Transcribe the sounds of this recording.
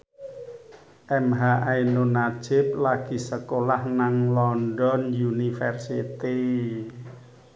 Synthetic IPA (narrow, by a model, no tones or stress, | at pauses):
ʔɛmɦaʔajnonad̥ʒ̥ɪp̚laɡ̥i̤səkolahnaŋlɔnɖɔnjunifɛrsit̪i